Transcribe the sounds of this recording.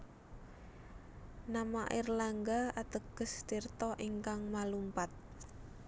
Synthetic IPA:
namaʔirlaŋɡaat̪əɡ̥əsd̪̥irt̪ɔʔiŋkaŋmalumpat̪̚

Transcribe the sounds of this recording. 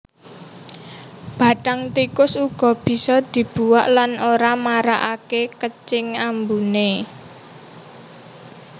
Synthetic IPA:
b̥a̤ʈaŋt̪ikʊsuɡ̥ɔ̤b̥i̤sɔd̪̥i̤b̥ṳwaʔlanoɾamaɾaʔakekət͡ʃɪŋambune

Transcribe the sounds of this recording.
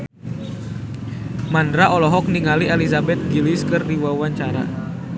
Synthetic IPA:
mandɾaʔɔlɔɦɔk̚niŋaliɛlisabɛt̪̚ɡiliskɨrdiwawaɲt͡ʃaɾa̰

